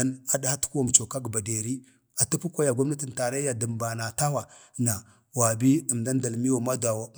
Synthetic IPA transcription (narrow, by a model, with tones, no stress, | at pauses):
a˦na˦da˨ha˦tu̥˦ku˦wa˨m˨t͡ʃo˨ka˦ɡba˨de˨ɾi˦ | a˨tu˦pu˦kʷa˦ja˨ɡʷa˦m˦na˦ti˨n˨ta˨ɾa˦ja˨də˨mba˨na˨ta˦wa˨na˨ | wa˨bi˦ə˨mda˦n˦da˨lmi˦jo˦˨ma˦da˨wa˨